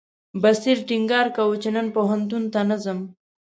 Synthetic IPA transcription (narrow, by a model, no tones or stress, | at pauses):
basiɾʈiŋɡɑːɾkawut͡ʃenənpoɦant̪unt̪anazəm